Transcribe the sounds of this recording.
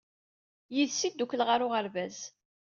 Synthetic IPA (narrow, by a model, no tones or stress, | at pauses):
jiðsid̪uklʁaɾʊʁəɾvæz